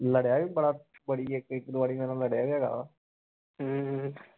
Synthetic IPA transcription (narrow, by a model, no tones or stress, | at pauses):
ləɽjaːʋiːbəɽaːbəɽiːekɪkd̪ʊʋaːɽiːmɛ̃ːnãləɽjaːɛːɡa̰ːʋa | ɦə